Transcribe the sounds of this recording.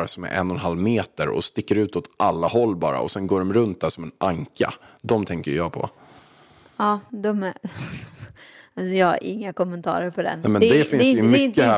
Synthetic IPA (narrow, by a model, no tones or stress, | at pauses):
ɾasɔmɛ̰ɾʔɛ̰nːɔnɦalːmeːt̪əɾɔ̰st̪ɪkːəɾʉ̟ːt̪ɔt̪ʔalːahɔlːbɑ̰ːɾa̰ɔsɛnɡoːɖɔmɾɵnt̪̚d̪æʂɔmɛnʔaŋka̰d̪ɔmt̪ʰɛŋkəjjɑːpʰɔ̰ | ɑːd̪ɔm | asɔjɑːha̰ɾʔɪ̰ŋːakɔmɛnt̪ʰɑ̰ːɾəɾpʰɔd̪ɛ̰nɛmɛnd̪ɛfɪnsjmʏkːəhæ